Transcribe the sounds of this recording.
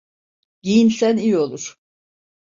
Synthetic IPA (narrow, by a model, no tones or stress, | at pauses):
ɟijinsænijo̞lˠuɾ̥